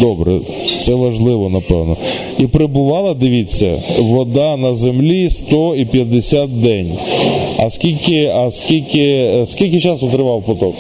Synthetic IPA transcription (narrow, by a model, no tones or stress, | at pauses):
d̪ɔbɾɛ̰ | t̪sɛʋɐʒlˠɪʋɔnɐpɛwnɔ | ipɾebʊʋɑlˠɐd̪ɪʋʲit͡sʲːɐ̰ʋɔd̪ɑnɐzemlʲist̪ɔipʲjɐd̪esʲat̪̚d̪ɛnʲɐ̰skʲilʲkɪɐskʲilʲkʲɪskʲilʲk̬ɪt͡ʃɑsʊt̪ɾɪʋɑwpɔt̪ɔk